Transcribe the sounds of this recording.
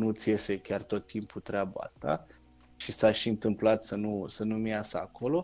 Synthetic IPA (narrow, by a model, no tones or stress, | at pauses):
nut̪sije̞se̞kʲart̪o̞t̪ːimput̪ɾeabaa̰st̪a̰ | ʃisaʃiɨnt̪ɨmplat̪sənusənumiasəa̰ko̞lo̞